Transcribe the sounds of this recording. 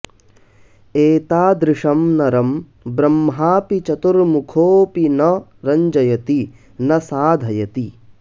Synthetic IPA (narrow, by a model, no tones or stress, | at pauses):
eːt̪aːd̪ɾɪʂɐmnɐɾɐm | bɾɐmɦaːpit͡ʃɐt̪uɾmukʰoːpinɐɾɐɲd͡ʒɐjɐt̪i | nɐsaːd̪ʱɐjɐt̪i